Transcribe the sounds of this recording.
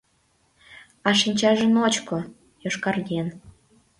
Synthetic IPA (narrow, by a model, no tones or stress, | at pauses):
ɑʃinʲt͡ɕɑʒə̆not͡ɕko | joʃkɑrɣʲen